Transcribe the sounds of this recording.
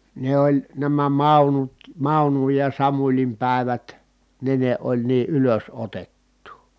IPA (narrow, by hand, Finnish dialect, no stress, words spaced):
ne olʲ næmæ mɑˑunut mɑˑunuj jɑ sɑmulʲim pæˑeʋæt ne ne olʲ niː ʔyløsotetːuː